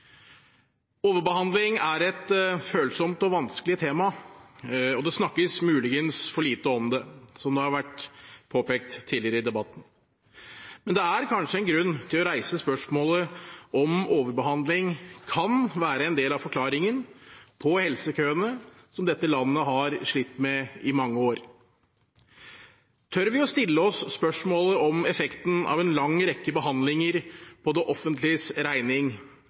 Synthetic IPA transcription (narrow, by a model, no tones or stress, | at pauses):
oːʋəɾbəhɑnd̪lɪŋæɾɛt̪føːlsɔmt̪ɔʋɑnsklɪət̪ʰeːmɑ | ɔd̪ɛsnɑkːəsmʉːlɪɡənsfɔɭiːt̪əɔmd̪ɛsɔmd̪ɛhɑɾʋæʈːpʰoːpeːk̚t̪ʰːiːlɪəɾəɪd̪ɛbɑt̪ːn̩ | mɛnd̪ɛæɾkʰɑnʂəɛnɡɾʉnːt̪ʰɪlɔɾæɪsəspœʂmoːləʔɔmoːʋəɾbəɦɑnd̪lɪŋkʰɑnʋæːɾəɛnd̪eːlɑʋfɔɾkʰlɑːɾɪŋənpʰɔhɛlsəkʰøːənə | sɔmd̪ɛt̪ːəlɑnːəɦɑɾʂɭɪt̪ːmɛɪmɑŋːəoːɾ | t̪ʰœɾʋɪɔst̪ɪlːəɔsːpœʂmoːləʔɔmɛfɛkt̪n̩ʔɑ̰ʋɛnlɑŋːɾɛkːəbəɦɑnd̪lɪŋəɾpʰɔd̪ɛʔɔfːənt̪lɪsɾæɪnɪŋ